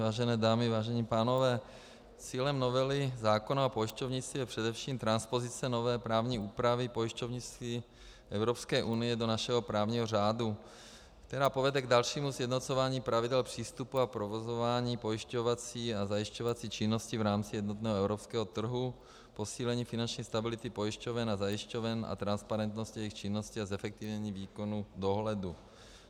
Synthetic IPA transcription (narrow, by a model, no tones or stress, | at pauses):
vaːʒɛnɛːdaːmɪvaːʒɛɲiːpaːnovɛː | t͡siːlɛmnovɛlɪzaːkonaapojɪʃcovɲit͡sijɛpr̥ɛdɛfʃiːmt̪ɾanspozɪt͡sɛnovɛːpɾaːvɲiːuːpɾavɪpojɪʃcovɲit͡si | ʔɛwɾopskɛːʔunɪjɛdo̞naʃɛɦopɾaːvɲiːɦoraːdu | kt̪ɛɾaːpovɛdɛɡdalʃiːmusjɛdnot͡sovaːɲiːpɾavidɛlpr̝̥iːst̪upuapɾovozovaːɲiːpo̞jiʃcovat͡siːazajiʃcovat͡siːt͡ʃɪnːoscivɾaːmt͡sijɛd̪not̪nɛːɦɛwɾopskɛːɦot̪r̩ɦu | po̞siːlɛɲiːfinant͡ʃɲiːst̪abɪlɪt̪ipojiʃcovɛnazajɪʃcovɛna̰t̪ɾanspaɾɛnt̪noscɪjɛjixt͡ʃɪnːosciazɛfɛk̚t̪ivɲɛɲiːviːkonudo̞ɦlɛdu